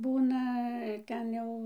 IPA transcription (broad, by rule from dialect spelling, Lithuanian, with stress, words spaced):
ˈbuːnɐ ˈtʲɛn jɛʊ